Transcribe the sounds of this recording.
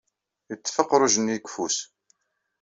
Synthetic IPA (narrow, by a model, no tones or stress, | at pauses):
jət͡sːfəqːɾˤʊʒənikfus